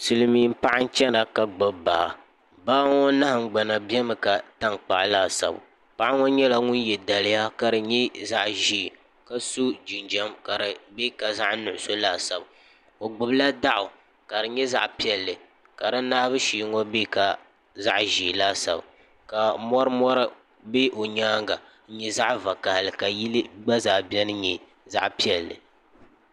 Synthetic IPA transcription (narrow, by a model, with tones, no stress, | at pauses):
sɨ˨lɨ˦miː˨˦m̩˦pa˦ʔa˦n̩˦t͡ʃɛ˦na˨ka˨ɡ͡bɨ˦bba̰˨ | baː˦ŋo˦na˦ha˨ŋ͡m̩˦ɡ͡ba˨na˨bi˦ɛ˦mɨ˨ka˨ta˦ŋk͡pa̰˨ʔlaː˦˨sa̰˨bʊ̰˨ | pa˦ʔa˦ŋo˦ɲɛ˦la˦ŋʊ˦n˦jɛ˨da˨lɪ˦ja˦ka˨ɾɨ˨ɲɛ˦za˦ʔʒiː˦˨ | ka˨su˦d͡ʒi˨nd͡ʒɛ˦mka˨ɾɨ˨be˦ka˨za˦ʔnʊ˨ʔʊ˨˦so˦laː˦˨sa˨b | o˨ɡ͡bʊ˨bɨ˦la˦da˦ʔʊ˨ | ka˨ɾɨ˨ɲɛ˦za̰˦ʔpi˦ɛ˨lːɨ˨ | ka˨ɾa˦naː˦bɨ˦ʃiː˨˦ŋɔ˦be˦ka˨ | za˦ʔʒiː˨laː˦sa̰˨b | ka˨mɔ˦ɾɨ˦mɔ˦ɾɨ˦ | be˦ʔo˨ɲaː˦ŋɡa˨˦ | ɲɛ˦za˦ʔva˨ka˨hlɨ˨ka˨ji˦lɨ˦ɡ͡ba˦zaː˨bɛ˦nɨ˦ɲɛ˨ | za̰˦ʔpi˦ɛ˨lːɨ̰˨